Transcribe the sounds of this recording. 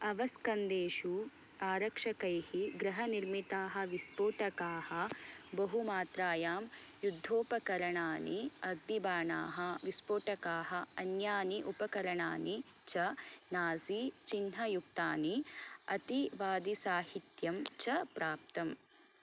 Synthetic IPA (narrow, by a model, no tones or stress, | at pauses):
ɐʋɐskɐnd̪eːʃu | aːɾɐkʂɐkɐjhiɡɾɐɦɐniɾmit̪aːɦɐ̆ʋispoːʈɐkaːhɐ̆bɐɦumaːt̪ɾaːjaːmjud̪ʱːoːpɐkɐɾɐɳaːniɐɡ̚nibaːɳa̰ːɦɐʋispoːʈɐkaːɦɐɐnjaːniʔupɐkɐɾɐɳaːni | t͡ʃɐnaːsit͡ʃinɦɐjuk̚t̪aːniɐt̪iʋaːd̪isaːhit̪jɐmt͡ʃɐpɾaːp̚t̪ɐm